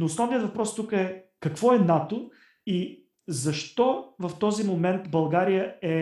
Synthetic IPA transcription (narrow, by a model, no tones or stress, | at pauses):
noːsnɔvnijət̪vɐpɾɔst̪ukəɛkɐkvɔɛnat̪o | i | zɐʃt̪ɔvɐft̪ɔzimomɛnt̪bɐlˠɡaɾijəɛ